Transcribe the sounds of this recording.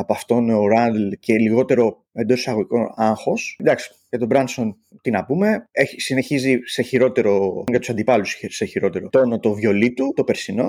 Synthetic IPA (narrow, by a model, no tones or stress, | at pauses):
ɐpoɐft̪o̞noɾɐnd̪lce̞liɣo̞t̪e̞ɾo̞ | e̞nd̪o̞ssɐɣo̞ʝikonɐŋxo̞sd̪ɐksi̥ʝɐt̪o̞bɾɐnso̞n | t̪inɐpume̞eisine̞çizise̞çiɾo̞t̪e̞ɾo̞ʝɐt̪usɐnd̪ipɐlusseçiɾo̞t̪e̞ɾo̞o̞no̞t̪o̞vʝo̞lit̪ut̪o̞pe̞ɾsino̞